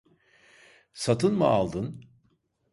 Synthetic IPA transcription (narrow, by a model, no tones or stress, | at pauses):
sat̪ʰɯnmɯalˠd̪ɯn